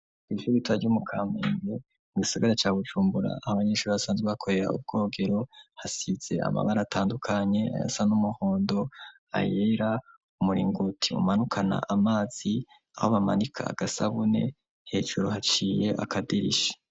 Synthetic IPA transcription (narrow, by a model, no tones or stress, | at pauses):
ɡ̥iʃuɾitwaɾɟumukʰaːmeːŋɡe | muɡisaɡaɾat͡ʃaːβut͡ʃuːmbuɾa̰ːhaβaɲeːʃuɾiβasaːnzweβakʰo̞ɾe̞ɾa̰ṵb̚ɡ̥o̞ːɡe̞ɾo̞hasiz̥e̞̰a̰ma̰βaɾaːtʰaːndukʰaɲe̞a̰ja̰sanumuho̞ːndo̞ | a̰jeɾa | umuɾiːŋɡutʰiṵmanukʰana̰ʔamaːz̥i | a̰ho̞βama̰nikʰa̰a̰ɡ̥asaβune̞̰ | he̞ːʒuɾohat͡ʃiːje̞ʔa̰kʰadiɾḭʃi̥